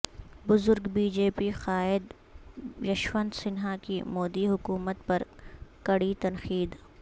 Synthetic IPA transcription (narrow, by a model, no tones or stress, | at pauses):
bʊzʊɾɡbiːd͡ʒeːpixaːɪd̪ | jɐʃwə̃nd̪sɪnɦakimoːd̪iɦʊkuːmət̪pɐɾkɐɽit̪ɐnxiːd̪